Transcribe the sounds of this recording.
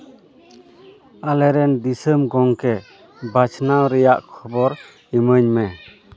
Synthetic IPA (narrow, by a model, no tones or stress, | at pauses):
alɛɾɛnd̪isəmɡɔŋkɛ | bat͡ʃʰnawɾɛjaʔkʰɔbɔɾ | iməɲmɛ